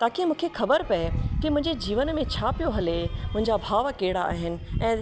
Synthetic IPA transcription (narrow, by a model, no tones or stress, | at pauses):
t̪aːkimũːkʰexɐbəɾpɐekimʊ̃ɦɪ̃ɲd͡ʑed͡ʑiːʋənmẽt͡ɕʰapijoɦɐlemʊ̃ɦɪ̃ɲd͡ʑabʱaːʋkeːɪɽaa̰ːɦɪnɪ̆ɛ̃ː